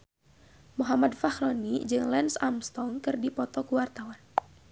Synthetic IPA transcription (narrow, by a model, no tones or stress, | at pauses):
muɦamadfaxɾɔnid͡ʒɨŋlɛnsamst̪ɔŋkɨrdipɔt̪ɔkuwart̪awan